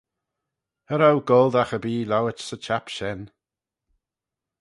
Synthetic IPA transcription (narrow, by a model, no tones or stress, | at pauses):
əɾawɡɔlˠd̪axəbiːlawət͡ʃsət͡ʃʰapʃɛn